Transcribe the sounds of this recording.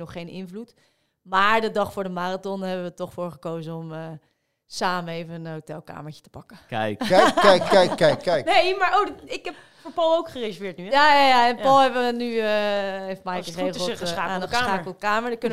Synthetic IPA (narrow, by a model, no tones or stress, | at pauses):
nɔχːejnɪ̰nvlut | maːɹdədɑχfʊːɹdəmaːratɔnɦɛbəʋətɔχfʊːɹχəkowzəɔmə | saːməejvənənɦowtɛlˠka̰ːməɹə̥tə̥pɑkəkjɛjkːɛjkːɛjkːɛjknejmaːɹowɪkɛp̚ | foːɹpɑlˠowkχərezəɹvɪːɹtnyjaːjajaɛnpɔlˠɛbənyəejftmajkəreːχəlˠtaːanəsːaːkəlˠdəkaːməɹdəkønə